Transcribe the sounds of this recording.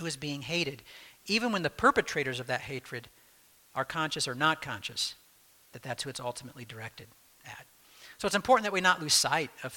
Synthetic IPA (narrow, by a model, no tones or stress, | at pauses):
huɨzbiɪ̃ŋɦeɪɾɨɾivɨ̃nwə̃nðɨpʰɜ˞pɨtʰɹ̥eɪɾə˞zʌvðɨt̚ɦeɪt͡ʃʰɹ̥ɨɾ | ə˞kʰɑ̃nʃɨsə˞nət̚kʰɑ̃nʃɨs | ðɨt̪̚ðætshuɨtsʌlˠtʰəmətˡlidə˞ɛk̚tɨɾ | ɨ̰t̚ | soʊətsɨ̃mpʰɔɹʔn̩ðɨt̚winəʔˡluz̥saɪɾʌv